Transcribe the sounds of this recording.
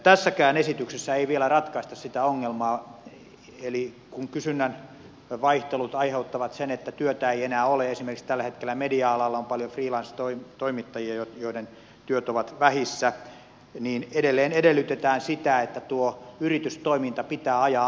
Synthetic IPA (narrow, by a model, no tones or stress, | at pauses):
t̪æsːækæːnesit̪yksesːæeiʋielærɑt̪kɑist̪ɑssit̪æoŋːelmɑː | eli | kuŋkysynːæn | ʋɑiht̪elut̪ɑiheut̪ːɑʋɑt̪senet̪ːæt̪yøt̪æeienæːoleesimerkikst̪ælːæhet̪kelːæmediɑɑlɑlːɑompɑljofriːlɑnst̪oit̪oimit̪ːɑjiɑjojoiden | t̪yøt̪oʋɑt̪ʋæhisːæ | niːnedelːeːnedelːˑyt̪et̪æːnsit̪æet̪ːæt̪uoyrit̪yst̪oimint̪ɑpit̪æːɑjɑ